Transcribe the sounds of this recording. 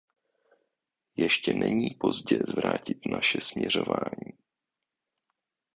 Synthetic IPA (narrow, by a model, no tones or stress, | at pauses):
jɛʃcɛnʔɛɲiːpo̞zɟɛzvɾaːcɪt̪naʃɛsmɲɛro̞vaːɲiː